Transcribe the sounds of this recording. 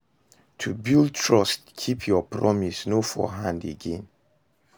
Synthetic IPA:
tʰubilˠd̚tʰɹʌstkʰipʰjɔpʰɹɔmisnofɔ̰ɦãndḛɡɛ̃n

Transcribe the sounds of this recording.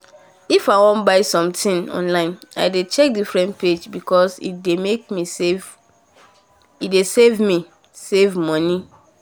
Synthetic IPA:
ifawɔ̃nbaɪsɔ̃mtʰĩnɔ̰̃nlãɪ̃na̰ɪdet͡ʃɛk̚difɹɛ̃nt̚pʰed͡ʒbikʰɔsḭdemek̚misev | idesevmi | sevmɔ̃ni

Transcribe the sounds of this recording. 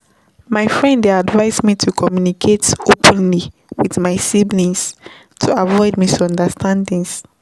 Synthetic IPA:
maɪfɹɛ̃ndadvaɪzmitʰukʰɔmjunikʰetopʰə̃nli | wiðmaɪsiblĩns | tʰuavɔɪdmisɔ̃ndəstʰãndĩŋs

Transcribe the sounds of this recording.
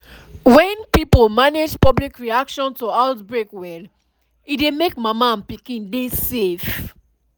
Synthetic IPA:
wɛ̃npipolmaned͡ʒpɔblikɹiakʃɔ̃ntoaʊtbɹekwɛl | idemekmamãnpikĩndesef

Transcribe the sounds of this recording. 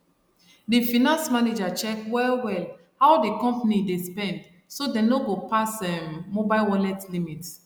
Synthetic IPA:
difinãnsmaned͡ʒat͡ʃɛkwɛlwɛl | hawdikɔ̃mpanidespɛ̃nd | sodɛ̃noɡopasɛmːobaɪlwɔlɛtlimit

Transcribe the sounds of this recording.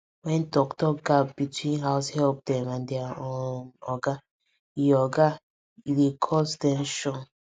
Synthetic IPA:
wɛ̃ndɔktɔɡapbitʰwĩnɦaʊshɛlp̚dɛ̃mãndeaonɔɡa | iɔɡa | ilekʰɔsdɛ̃mʃɔ̃n

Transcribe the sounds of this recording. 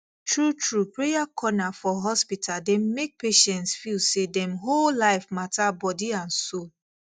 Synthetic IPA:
tɹutɹupɹejakʰɔnafɔɦɔspitʰaldɛmek̚peʃɛ̃ntsfilsedɛ̃mɦollaɪfmatabɔdiãnso

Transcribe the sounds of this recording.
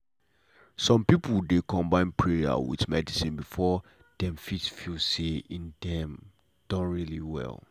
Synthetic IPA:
sɔ̃mpipuldekʰɔ̃mbãɪ̃npʰɹeja̰wḭðmɛdisĩnbifɔ | d̥ɛ̃mfitfilseĩndɛ̃m | d̥ɔ̃nɹiliwɛ̰lˠ

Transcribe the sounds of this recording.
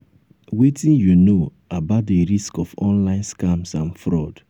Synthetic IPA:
wetĩnjuno | abat̚deɾiskɔfɔ̃nlãɪ̃nskãmsãnfɾɔd̥

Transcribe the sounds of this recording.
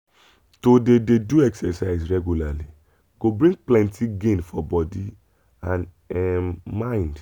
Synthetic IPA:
todededuɛksɛsaɪsɹɛɡjulali | ɡ̥obɾĩɡ̚plɛ̃ntʰiɡẽnfɔbɔdi | ãn | ɛmmãĩnd

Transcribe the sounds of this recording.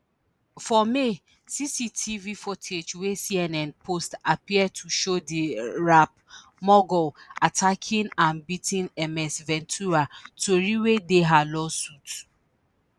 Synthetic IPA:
fɔme | sisitʰivifɔtʰet͡ʃwesiɛnɛ̃npʰostapiɛd̚tʰuʃodiɹap̚ | mɔɡɔatʰakʰĩnãnbitĩnɛmɛsvɛ̃ntʰuɹatoɹiwedeɦalɔsut

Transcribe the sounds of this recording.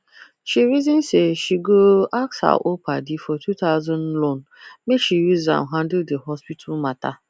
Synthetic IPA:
ʃiɾizĩnseʃiɡoaksa̰ʔopʰa̰difɔtʰutaʊzɔ̃nlon | mekʃijuzã̰mɦãndɪdeɦɔspitʰalmata

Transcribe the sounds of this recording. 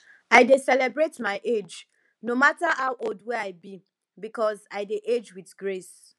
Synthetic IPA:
aɪdesɛlɛbɹetmaɪʔed͡ʒ | nomatahawʔodwɛaɪbi | bikɔzaɪdeʔed͡ʒwiθɡɹes

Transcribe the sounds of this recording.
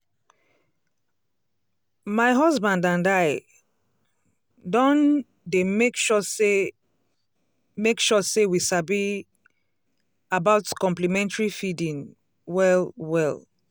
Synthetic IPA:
maɪɦɔzbãndãndaɪ | dɔ̃n | demekʃɔse | mekʃɔsewisabi | abaʊtkɔ̃mplimɛ̃ntaɹifidĩŋ | wɛlwɛl

